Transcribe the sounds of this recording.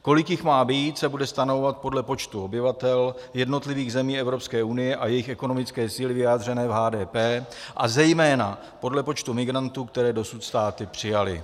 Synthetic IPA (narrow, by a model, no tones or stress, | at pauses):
ko̞lɪkjɪxmaːbiːt̪sɛbudɛst̪anovovat̪̚po̞dlɛpo̞t͡ʃt̪uo̞bɪvat̪ɛljɛdno̞t̪lɪviːɣzɛmiːɛvɾo̞pskɛːʔunɪjɛʔajɛjɪxɛko̞no̞mɪt͡skɛːsiːlɪvɪjaːd̪r̝ɛnɛːvɦaːdɛːpɛːʔazɛjmɛːna | po̞dlɛpo̞t͡ʃt̪umɪɡɾant̪uːkt̪ɛɾɛːdo̞sut̪st̪aːt̪ɪpr̝̥ɪjalɪ̰